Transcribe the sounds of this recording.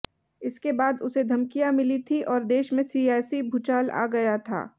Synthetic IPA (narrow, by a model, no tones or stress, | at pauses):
ɪskebaːd̪ʊsed̪ʱɐmkijamɪlit̪ʰiʔɔːɾd̪eːʃmẽsiːaːsibʱut͡ʃaːla̰ːɡɐjat̪ʰa̰ː